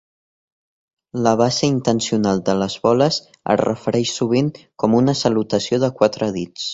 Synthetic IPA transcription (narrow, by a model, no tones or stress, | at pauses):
ləβ̞asəint̪ənsiunalˠd̪ələzβɔləz | ə̰rə̰fəɾɛʃsuβ̞iŋkɔmunəsəlut̪əsioðəkwat̪ɾəðit͡s